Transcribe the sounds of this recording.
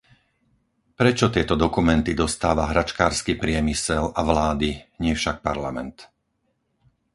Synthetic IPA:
pɾɛt͡ʃɔt̪ɪɛt̪ɔd̪ɔkumɛnt̪id̪ɔst̪aːʋaɦɾat͡ʃkaːɾskipɾɪɛmisɛlaʋlaːd̪iɲɪɛfʃak̚paɾlamɛ̰nt̪

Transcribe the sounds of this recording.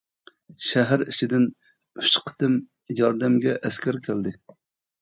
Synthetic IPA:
ʃæɦæɾit͡ʃʰid̪ɪn | y̥ʃqʰə̥t̪ɨm | jɑɾd̪ɛmɡʲɛʔɛskʲʰɛɾkʲʰæld̪ɪ

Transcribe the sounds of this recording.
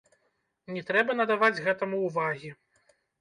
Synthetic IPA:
nʲɛt̪ɾɛbɐnɐd̪avad͡zʲɣɛt̪ɐmuːvaɣʲi

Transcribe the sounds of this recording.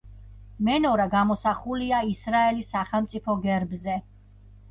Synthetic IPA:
mɛnɔɾaɡamɔsaχuliaisɾaɛlisːaχɛlˠmt̪sʼipʰɔɡɛɾbzɛ

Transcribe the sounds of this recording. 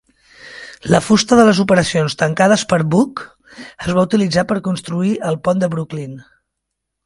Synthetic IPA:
ləfust̪əðələzupəɾəsionst̪əŋkað̞əspəɾβuk | əzβaut̪ilid͡zapəɾkunst̪ɾuiʔəlˠpɔnd̪əβɾuklin

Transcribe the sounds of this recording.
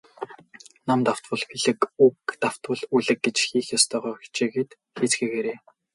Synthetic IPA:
namt̪aw̥t̪wə̆ɮpiɮɘ̆kukt̪aw̥t̪wʊ̆ɮuɮɘ̆k̚ɡet͡ɕxiːxjɔst̪ʰœːʁœ̥ːt͡ɕeːɡeːt̪ | xiːt͡sxeːɣeːɾeː

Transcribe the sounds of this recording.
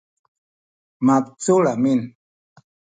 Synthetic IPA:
map̚t͡suɭamin

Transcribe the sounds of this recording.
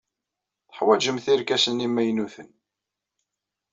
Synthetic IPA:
θə̥ħwæd͡ʒəmθiɾkæsənimːæjnuθən

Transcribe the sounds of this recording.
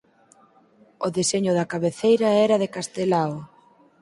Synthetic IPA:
ʊðeseɲʊðɐkaβeθejɾɐɛɾɐðekast̪elaw

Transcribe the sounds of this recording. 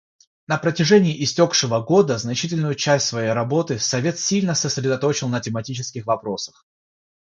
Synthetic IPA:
nəpɾətʲɪʐɛnʲɪːʔɪsʲtʲo̞kʂɨvəɡo̞d̪əznɐt͡ɕitʲɪlʲnʊjʊt͡ɕæsʲtʲsvɐjejɾɐbo̞t̪ɨsɐvʲe̞t̪sʲilʲnəsəsʲɾʲɪd̪ɐt̪o̞t͡ɕɪlˠnətʲɪmɐtʲit͡ɕɪskʲɪxvɐpɾo̞sə̥x

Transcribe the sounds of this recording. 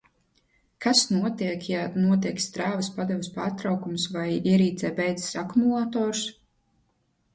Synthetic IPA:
kʰasnuɔt̪iɛkjanuɔt̪iɛkst̪ɾaːvɐspad̪ɛvɪspaːɾt̪ɾawkumsvajiɛɾiːt̪zɛːbɛjd̪zsakumulˠaːt̪ɔːɾs

